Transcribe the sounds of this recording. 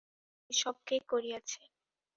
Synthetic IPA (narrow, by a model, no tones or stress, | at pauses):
iʃɔb̚kekoɾiat͡ɕʰe